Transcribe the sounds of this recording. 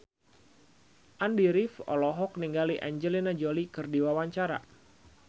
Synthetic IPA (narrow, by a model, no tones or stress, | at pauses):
ʔandiɾifɔ̰lɔɦɔk̚niŋɡaliʔa̰ɲd͡ʒəlinad͡ʒolikɨrdiwawaɲt͡ʃaɾa̰